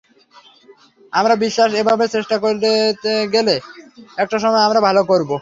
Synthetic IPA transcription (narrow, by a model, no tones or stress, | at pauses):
amɾabiʃːaʃebʱabet͡ɕeʃʈakoɾeeɡeleɛk̚ʈaʃɔmɔeamɾabʱalokoɾbo